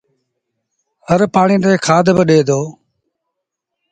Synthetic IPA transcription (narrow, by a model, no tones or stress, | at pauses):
ɦəɾpaːɳiːnd̪eːkʰaːd̪ʱbəɗeːd̪oː